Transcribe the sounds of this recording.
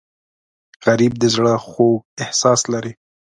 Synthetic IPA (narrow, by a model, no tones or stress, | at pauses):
ɣaɾib̚d̪əzɽəxoɡɪhsɑslaɾi